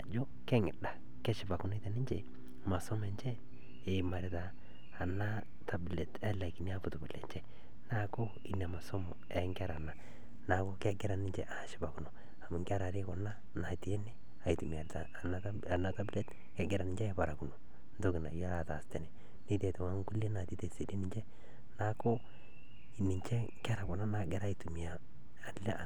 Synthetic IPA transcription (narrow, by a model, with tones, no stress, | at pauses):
a˨d͡ʒo˦ | kɛ˦ŋɪ˨da˨ | kɛ˦ʃɪ˨ba˨kʊ˨n˦i˦te˨nɪ˦ɲd͡ʒe˨ | ma˨so˦mɛ˨ɲd͡ʒɛ˦ | e˨ma˨ɾɪ˨taː˨ | na˦ | tʰa˨ble˨tɛ˦la˨ki˨ni˦a˦pʊ˨tʊ˨bʊ˨lɛ̰˨ɲt͡ʃɛ˦ | na˦ko˦ | ḭ˨na˨ma˨so˦mo̰˨ɛ˨˦ŋɡa˦ɾa˨na˨ | na˨ko˦kɛ˦ɡɪ˦ɾa˨nɪ˦ɲd͡ʒḛ˨ʔa˨˦ʃɪ˨ba˨ku˨no˨ | a˨mʊ˨ŋɡa˦ɾa˨ɾɪ˦kɔ˨na˦ | na˨ti˨e˦nɛ˦ | a˨itu˨mi˨a˨ta˨˦˨ | na˦ta˦ble˦t | kɛ˦ɡɪ˨ɾa˨nɪ˦ɲd͡ʒɛ˦ɛ˨ba˨ɾa˨ku˨no˨ | ndo˦kɪ˨na̰˨ja˦la˨ta˨stɛ˨nɛ˨ | ni˦te˨tɪ˨wa˦ŋɡu˦le˦na˨ti˦te˨se˨di˦nɪ˦ɲd͡ʒɛ˦ | na˦ko˦ | i˨nɪ˨ɲt͡ʃɛ˦ŋka˦ɾa˨kɔ˨na˦na˨ɡɛ˦ɾa˦i˨tu˨mi˨aː˨ | lɛ˦ʔa˨